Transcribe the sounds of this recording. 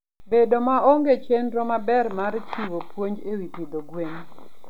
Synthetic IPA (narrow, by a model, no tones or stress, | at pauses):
bedomaoŋɡet͡ʃenɾɔmabɛrmart͡ʃiwopwoɲd͡ʒewitid̪oɡweɲ